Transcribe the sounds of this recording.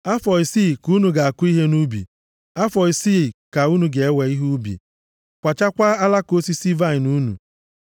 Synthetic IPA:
a˦fɔ˨i˨si˦˨ku˦nu˨ɡa˨a˨kʊ˦i˦ɦe˦nu˦bḭ˨ | a˦fɔ˨i˨si˦˨ka˨u˦nu˨ɡe˨e˦we˨i˦ɦu˦bḭ˨ | kʷa˨t͡ʃa˦kʷa˦a˦la˦ko˦si˦si˦va˦i˨nu˦nṵ˨

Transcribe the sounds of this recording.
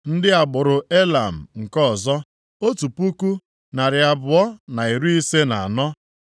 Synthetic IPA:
n̩˦dɪ˦a˨ɡ͡bʊ˨ɾʊ˨e˦la˨m̩˨ŋ̩˨kɔ˦˨zɔ˦ | o˦tu˨pu˦ku˦ | na˨ɾɪ˨a˨bʊ˨ɔ˦na˨i˨ɾu˦i˦se˦na˨a˨nɔ˦

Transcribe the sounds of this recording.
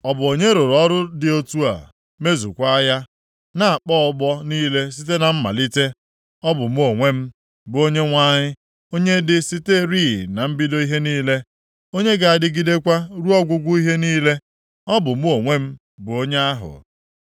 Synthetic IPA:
ɔ˦˨bʊ˨o˨ɲe˦ɾo˨ɾɔ˦ɾʊ˦dɪ˨o˦tu˦a̰˨ | me˦zṵ˨kʷa˦ja˦ | na˨a˨k͡pɔ˦ɔ˨ɡ͡bɔ˦niː˦le˦s̬i˦t̬e˦na˨m̩˦ma̰˨li˦te˦ | ɔ˦bʊ˨m˦o˨ŋʷe˦m̩˦ | bʊ˨o˦ɲe˦ŋʷa˦ɲɪ˦ | o˦ɲe˦dɪ˦si˦te˦ɾi˦˨na˨m̩˦bi˦do˦i˦ɦe˦niː˦le˦ | o˦ɲe˦ɡa˨a˨dɪ˦ɡi˦de˦kʷa˦ɾu˦ɔ˦ɡʷʊ˦ɡʷu˦i˦ɦe˦niː˦le˦ | ɔ˦bʊ˨m˦o˨ŋʷe˦m̩˦ | bʊ˨o˦ɲe˦a˦ɦʊ̰˨

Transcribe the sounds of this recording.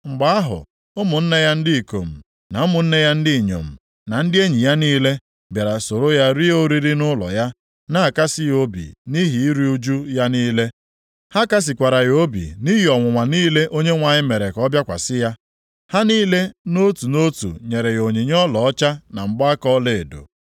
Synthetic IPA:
ŋ͡m̩˨ɡ͡ba˦a˦ɦʊ̰˨ | ʊ˦mʊ˨n̩˦ne˦ja˦n̩˦dɪ˦i˨ko̰˨m̩˨ | na˨˦mʊ˨n̩˦ne˦ja˦n̩˦dɪ˦˨ɲo̰˨m̩˨ | na˨n̩˦dɪ˦e˦ɲi˨ja˦niː˦le˦ | bja˨ɾa˨so˨ɾo˦ja˦ɾi˦o˦ɾi˦ɾi˦nʊ˦lɔ̰˨ja˦ | na˦a˨ka˦sɪ˦jo˦bḭ˨ni˦ɦi˨i˦ɾi˦u˦d͡ʒu˦ja˦niː˦le˦ | ha˦ka˦s̬ɪ˨kʷa˨ɾa˨jo˦bḭ˨ni˦ɦi˨ɔ˨ŋʷʊ˨ŋʷa˨niː˦le˦ʔo˦ɲe˦ŋʷa˨ɲɪ˦me˨ɾe˨kɔ˦bja˦kʷa̰˨sɪ˦ja˦ | ha˦niː˦le˦no˦tu˨no˦tṵ˨ɲe˨ɾe˨jo˨ɲi˨ɲ˦ɔ˦lɔ˨ɔ˦t͡ʃa˦na˨m̩˨ɡ͡bɔ˦a˦kɔ˦le˨e˨do̰˨

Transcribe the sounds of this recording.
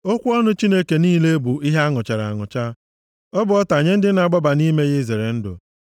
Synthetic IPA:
o˦kʷu˦ɔ˦nʊ˦t͡ʃi˦ne˦ke˨niː˦le˦bu˨i˦ɦe˦a˦ŋʊ˨t͡ʃa˨ɾa̰˨a̰˨ŋʊ̰˨t͡ʃa˦ | ɔ˦bʊ˨ɔ˦ta˨ɲe˦n̩˦dɪ˦na˨ɡ͡ba˦ba˨ni˦me˦ɣɪ˦ze˨ɾe˨n̩˦dʊ̰˨

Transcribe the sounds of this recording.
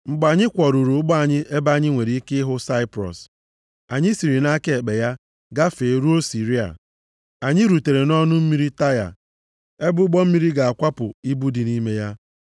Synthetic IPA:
ŋ͡m̩˨ɡ͡ba˨ɲɪ˦kʷɔ˨ɾu˨ɾu˨ʊ˦ɡ͡bɔ˦a˨ɲɪ˦ʔe˦ba˦ɲɪ˦ŋʷe˨ɾi˨˦i˦ke˦ɦʊ˦sa˦ɪ˦pɾɔ̰˨s | a˨ɲɪ˦si˨ɾi˨na˦ke˦e˨k͡pe˨ja˦ | ɡa˦fe˨ɾu˦o˦si˨ɾi˦a̰˨ | a˨ɲɪ˦ɾu˨te˨ɾe˨nɔ˦nʊ˦m̩˦mi˦ɾi˦ta˦ja̰˨ | e˦bʊ˦ɡ͡bɔ˦m̩˦mi˦ɾi˦ɡa˨a˨kʷa˦pʊ˨i˦bu˦di˨ni˦me˦ja˦

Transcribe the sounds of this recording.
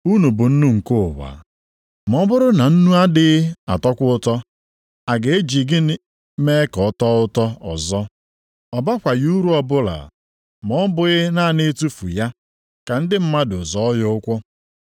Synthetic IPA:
u˦nu˨bʊ˨n̩˦nu˦ŋ̩˨ko˦˨wa̰˨ | m˨ɔ˦bʊ˦ɾʊ˦na˨n̩˦nu˦a˦dɪ˦a̰˨tɔ˦kʷʊ˦ʊ˦tɔ˦ | a˨ɡe˨e˦d͡ʒi˨ɡɪ˦ | me˦kɔ˨˦tɔ˦ʊ˦tɔ˦ɔ̰˨zɔ˦ | ɔ˨ba˦kʷa˨ju˦ɾu˦ɔ˨bʊ˦la̰˨ | mɔ˦bʊ˨ɣɪ˦na˦˨ne˦tu˦fṵ˨ja˦ | ka˨n̩˦dɪ˦m̩˦ma˦dʊ˨zɔ˨˦jɔ˦ʊ˦kʷɔ˦

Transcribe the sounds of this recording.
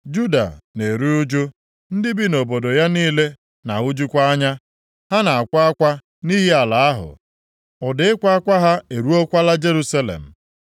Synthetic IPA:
d͡ʒu˦da̰˨ne˨ɾu˦ʊ˦d͡ʒo˦ | n̩˦dɪ˦bi˦no˨bo˨do˨ja˦niː˦le˦ | na˨ɦʊ˦d͡ʒu˦kʷa˦a˦ɲa˦ | ha˦na˨a˨kʷa˦a˦kʷa˦ | ni˦ɦi˦a˨la˨a˦ɦʊ̰˨ | ʊ˨dɪ˦ɪ˦kʷa˦a˦kʷa˦ɦa˦e˨ɾu˦o˦kʷa˦la˦d͡ʒe˦ɾu˦sa˦lḛ˨m̩˨

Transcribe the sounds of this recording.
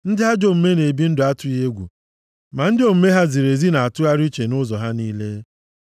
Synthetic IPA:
n̩˦dɪ˦ɦa˦d͡ʒo˦m̩˨me˦ne˨bi˦n̩˦dʊ˨a˦tʊ˦je˦ɡʷṵ˨ | ma˨n̩˦dɪ˦o˨m̩˦me˦ɦa˦zi˨ɾe˨zi˦na˨a˨tʊ˦a˦ɾi˦t͡ʃe˨nʊ˦zɔ˨ɦa˦niː˦le˦

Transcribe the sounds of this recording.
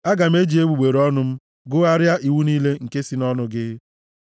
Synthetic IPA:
a˦ɡa˨m̩˦e˦d͡ʒi˨e˦ɡ͡bu˨ɡ͡be˨ɾɔ˦nʊ˦m̩˦ | ɡʊ˦a˦ɾja˦ʔi˨wu˦niː˦le˦ŋ̩˨ke˦si˦nɔ˦nʊ˦ɡɪ˦

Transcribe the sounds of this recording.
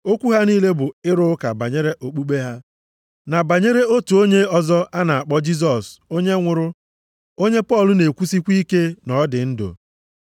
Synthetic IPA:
o˦kʷu˦ɦa˦niː˦le˦bʊ˨ɪ˦ɾʊ˦ka̰˨ba˨ɲe˦ɾe˦ʔo˨k͡pu˦ɡ͡be˦ɦa˦ | na˨ba˨ɲe˦ɾe˦o˦tu˨o˦ɲe˦ɔ˦zɔ˦a˦na˨a˨k͡pɔ˦d͡ʒi˦z̬ɔ˨so˦ɲe˦ŋʷʊ˨ɾʊ˦ | o˦ɲe˦pɔ˦˨lʊ˦ne˨kʷu˦si˦kʷi˦ke˦nɔ˨˦dɪ˨n̩˦do̰˨

